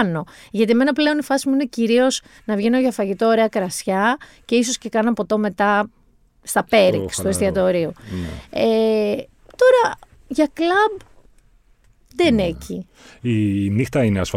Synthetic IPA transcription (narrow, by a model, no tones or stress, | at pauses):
no̞ʝɐt̪ieme̞nɐple̞o̞nifɐsimuineciɾio̞s | nɐvʝenoʝɐfɐʝit̪o̞ːɾe̞ɐkɾɐsçɐ | ce̞iso̞sce̞kɐnɐɐpo̞t̪o̞me̞t̪ɐ | st̪ɐpe̞ɾikst̪oest̪iɐt̪oɾio | e | t̪o̞ɾɐ | ʝɐklɐb | ðene̞ci | inixt̪ɐineɐsf